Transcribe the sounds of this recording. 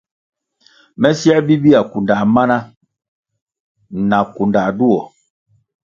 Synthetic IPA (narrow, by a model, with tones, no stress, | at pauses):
mɛ˦sjɛ˦bi˦bi˦a˨ku˨nda˨ma˦na˦ | na˨ku˨nda˨du˦ɔ˨